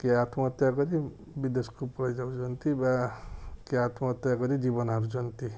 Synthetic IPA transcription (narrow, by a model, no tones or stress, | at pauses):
keat̪ʰmɔt̪jaɡɔɾi | bid̪eskupɔlajd͡ʒawd͡ʒɔnt̪iba | keat̪ʰmɔːt̪jaɡɔɾid͡ʒibɔnɦaɾud͡ʒʌnt̪i